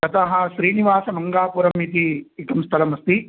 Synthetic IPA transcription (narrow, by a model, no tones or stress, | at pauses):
kɐt̪ɐɦɐ̆ʃɾiːniʋaːsɐmɐŋɡaːpuɾɐmit̪iikɐmst̪ʰɐlɐmɐst̪i